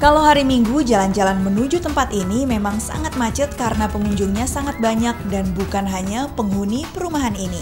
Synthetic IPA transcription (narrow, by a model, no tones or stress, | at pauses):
kaloɦaɾimiŋɡud͡ʒaland͡ʒalanmənud͡ʒut̪əmpat̪inimemaŋsa̰ŋat̪̚mat͡ʃʊt̪̚kaɾənapəŋuɲd͡ʒʊŋɲasaŋat̪̚baɲak̚danbukanɦaɲapəŋɦunipəɾumaɦanini